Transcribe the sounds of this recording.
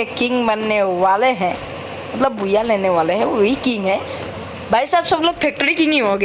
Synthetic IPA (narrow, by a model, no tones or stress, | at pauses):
ɛkiŋbanːɛwalɛɦɛ̃ | mət̪ləbːujalɛnɛwalɛɦɛ̃oɦikiŋɦɛ̃ | bʱajsabsɔblok̚pʰɛk̚ʈəɹikiniɦɔɡɛ